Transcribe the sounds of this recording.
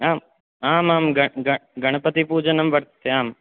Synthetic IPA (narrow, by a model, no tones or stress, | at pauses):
aːm | aːmaːmɡɐɡɐɡɐɽ̃pət̪ipuːd͡ʒənɐmbəɾt̪ʰeaːm